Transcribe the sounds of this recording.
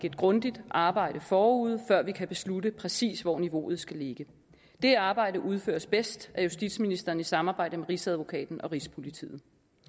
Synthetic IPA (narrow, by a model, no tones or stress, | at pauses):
ɡəd̥̚ɡ̥ʁɔ̽nd̥id̥ʔɑ̈ːb̥ɑ̈ɪ̰ɾ̥əfɒːuð̞̰ˠfɶɐ̰ʋikʰæb̥e̝sludəpʰʁɛsḭːsʋɒ̰niʋo̝ːð̞̩ˠsɡ̥æle̝ɡ̥ə | d̥e̝ɑ̈ːb̥ɑ̈ɪ̰ɾəʔuð̞ˠfø̰ːɐsb̥esd̥ʔæɐjusd̥id̥sminisd̥ɐːn̩isɑ̈mɑ̈ːb̥ɑ̈ɪ̰̥əmeʁisæð̞ˠʋo̝kʰɛ̰ːd̥n̩ɒ̽ʁispʰo̝lit͡sʰḭːð̩ˠ